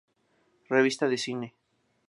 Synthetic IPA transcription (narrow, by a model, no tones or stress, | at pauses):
reβ̞ist̪aðesine